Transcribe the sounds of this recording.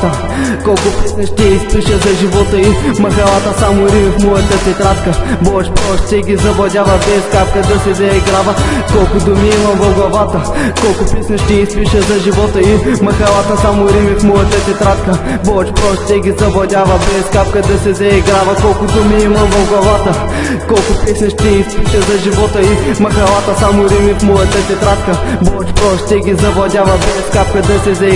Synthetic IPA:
t̪ə | kɔlˠkʊpisnɐʃt̪ʲɛispiʃəzɐʒivɔt̪əimɐxɐlˠat̪əsamʊɾimifmɔjɐt̪ət̪ɛt̪ɾat̪kəbɔʃpɾɔʃt̪t̪ɛɡʲizɐvɔd̪ʲavɐbɛskap̚kəd̪ɐsɛzɛɛɡɾavɐkɔlˠkʊd̪ʊmiimɐmvɐvɡlˠɐvat̪əkɔlˠkʊpisnɐʃt̪ɛispiʃəzɐʒivɔt̪əimɐxɐlˠat̪əsamʊɾimifmɔjɐt̪ət̪ʲɛt̪ɾat̪kə | bɔt͡ʃpɾɔʃt̪ɛɡʲizɐvɐd̪ʲavɐbɛskap̚kəd̪ɐsɛzɛiɡɾavɐkɔlˠkʊd̪ʊmiimɐmvɐfɡlˠɐvat̪ə | kɔlˠkʊpɛsnʲɐʃt̪ɛispiʃəzɐʒivɔt̪əimɐxɐlˠat̪əsamʊɾimifmɔjɐt̪ət̪ʲɛt̪ɾat̪kəbɔt͡ʃpɾɔʃt̪ɛɡʲizɐvɐd̪ʲavɐbɛskap̚kəd̪ɐsɛzɛ

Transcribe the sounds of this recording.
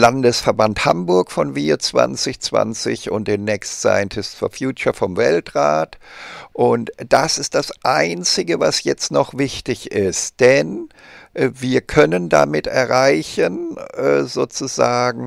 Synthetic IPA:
landəsfɛɐbanthambʊɐkfɔnviːt͡sv̥a̰nt͡sɪçt͡sv̥a̰nt͡sɪ̰çʊ̰nt̚d̥eːnːɛkstsa̰ɪəntʰɪstsfɔ̰ɐfjuːt͡ʃɐfɔmvɛltʁaːtʔʊntd̥asɪstd̥asʔaɪnt͡sɪɡəva̰sjɛt͡stnɔχv̥ɪçtɪçɪst̚d̥ɛnʔviːɐkʰœnənda̰mɪtɛɐʁaɪçənʔɛːzoːt͡suzaːɡŋ̩

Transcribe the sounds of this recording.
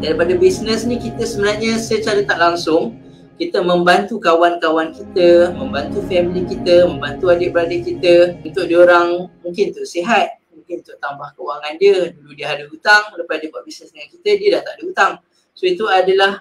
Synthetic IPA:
daɾipadəbisnəsnĩkit̪əsəbənarɲasajət͡ʃaɾət̪aʔlaŋsʊŋ | kit̪əmə̃mbant̪ukawankawankit̪əmə̃mbant̪ufɛmilikit̪əmə̃mbant̪uadəbəɾadəkit̪əunt̪ʊʔ̚dioɾaŋmũŋkɪnunt̪ʊʔseɦat̪̚mũŋkɪnunt̪ʊʔt̪ambahkəuwaŋandiəduludiəɦadəut̪aŋləpasdibuaʔ̚bisnəsdəŋankit̪ədiədaht̪aʔdəut̪aŋ | soit̪uadəlah

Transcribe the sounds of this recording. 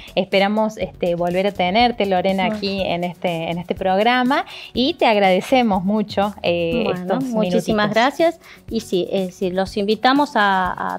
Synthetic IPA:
espeɾamosest̪eβo̞lβeɾat̪eneɾt̪eloɾenaakiḛnest̪eːnest̪e̞pɾoɣɾamait̪eaɣɾaðesemo̞zmut͡ʃoeḛst̪osmuint͡ʃisimazɣɾasjas | isieðesiɾlosimbit̪amosaa̰

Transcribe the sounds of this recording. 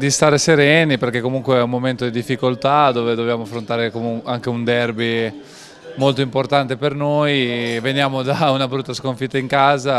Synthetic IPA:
d̪ist̪aːɾeseɾɛniperkekːomuŋkweɛumːoment̪od̪id̪ifːikolt̪ad̪oːved̪objaːmoafɾont̪aːɾekomuaŋk̟eund̪ɛrbi | molt̪oimport̪ant̪epernojvenjaːmod̪aunabɾut̪ːaskoɱfit̪ːaiŋkaːza

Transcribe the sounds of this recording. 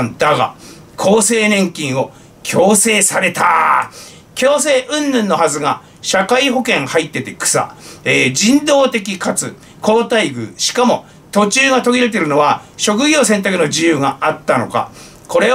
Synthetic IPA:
nd̪aɡa̰ | kʰo̞ːse̞ːnẽ̞ŋkʲĩɰ̃o̞ | kʲʰo̞ːse̞ːsaɾe̞t̪a | kʲo̞ːse̞ːʔɯ̟̃nːɯ̃nːo̞hazɨɡa | ɕakaiɦo̞kẽ̞ɰ̃hait̪ːe̞t̪e̞kɯ̥sa̰eːd͡ʑĩnd̪o̞ːt̪e̞kʲikat͡sɨ | ko̞ːt̪aiɡɯ̟̰ɕi̥kamo̞ | t̪o̞t͡ɕɨːŋat̪o̞ɡʲiɾe̞t̪̬e̞ɾɯ̟no̞βa | ɕo̞k̬ɯ̟ɡʲoːsẽnt̪akɯno̞d͡ʑijɯːŋaat̪ːano̞̰ka̰ | ko̞ɾe̞

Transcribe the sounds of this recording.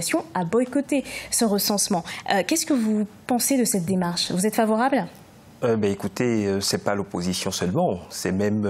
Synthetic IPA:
sjɔ̃abɔjkot̪esəʁəsɑ̃smɑ̃økʲɛskəvupɑ̃sed̪əsɛt̪̚d̪emaʁʃvuzɛt̪favɔʁabl | øbɛekut̪eøsɛpalopozisjɔ̃sœlmɑ̃sɛmɛm

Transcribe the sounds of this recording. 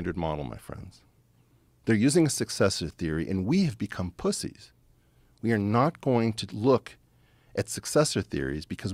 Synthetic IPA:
ndə˞d̚mɑ̰ɾl̩ˠma̰ɪfɹɛ̰̃ndz̥ | ðə˞jʉzɪ̃ŋɨsɨksɛsə˞θɪɹiʔɨ̰̃nwiɨvbɨkʰʌ̃mpʰʊsḭz̥ | wiə˞nət̚ɡ̥oʊɪ̃ŋtʰɨlʊk | ʔɨtsɨksɛsə˞θɪ̰ɹḭzbɨkʰʌz

